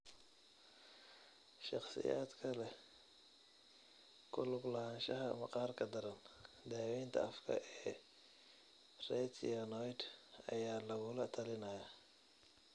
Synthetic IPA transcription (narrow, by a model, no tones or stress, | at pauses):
ʃɑχsɪ̰ja̰ːd̪kʰɐlɛ | kʰʊlʊɡlɐhaːnʃɐɦɐ̰mɐqɑːrkʰɐd̪ɐɾɐn | d̪aːwɛːnt̪ʰɐ̰ɐfkʰɐ̰ʔɛː | rɛt̪ɐnɔjd̪ɐ̰jaːlɐɣʊlɐt̪ʰɐlɪnɐːjaː